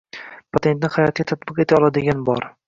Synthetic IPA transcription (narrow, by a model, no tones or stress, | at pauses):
pʰat̪ʰe̞nt̪nɪhajɒt̪ɪɡʲat̪ʰat̪̚bɪqe̞t̪ʰaɒlˠad̪ɪɡʲanbɒ̰ɾ